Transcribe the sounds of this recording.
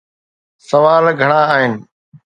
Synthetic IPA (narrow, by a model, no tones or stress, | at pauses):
səʋaːlɡʱəɳ̃aːaːɦɪnɪ̆